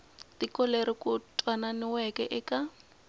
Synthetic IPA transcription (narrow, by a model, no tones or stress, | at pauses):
tikɔleɾikʊtʼwananɪwɛkɛʔɪka